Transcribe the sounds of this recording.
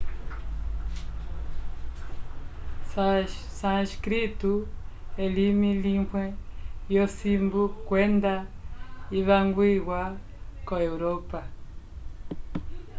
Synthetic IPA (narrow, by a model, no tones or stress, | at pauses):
sãʃkɾituelimiliŋhwɛjosimbukwɛnd̪a | iβaŋɡwiɣwa | koeuɾopa